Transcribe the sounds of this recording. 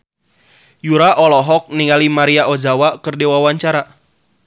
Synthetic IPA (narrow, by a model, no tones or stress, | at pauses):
juɾaʔɔlɔɦɔk̚niŋalimaɾiaʔod͡ʒawakərdewawaɲt͡ʃaɾa